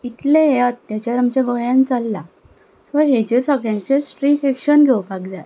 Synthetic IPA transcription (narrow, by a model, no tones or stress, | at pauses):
it̪lẽat̪ːjat͡ɕaɾəmt͡ɕeɡɔjãnt͡salːa | sʋəɦed͡ʑesaɡɭjãɲt͡ɕesʈɾikekɕənɡʱewpaɡd͡zaj